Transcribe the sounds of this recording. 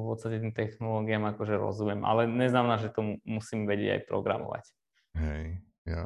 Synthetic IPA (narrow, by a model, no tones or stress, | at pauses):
fpɔt̪st̪acɛt̪iːmt̪ɛxnɔlɔːɡiamakɔʒɛɾɔ̰zumjɛmʔa̰lɛɲɛznamɛnaːʒɛt̪ɔmumusiːmʋɛɟɪɛ̰ɟa̰jpɾɔ̰ɡɾa̰mɔ̰ʋa̰c | ɦɛj | a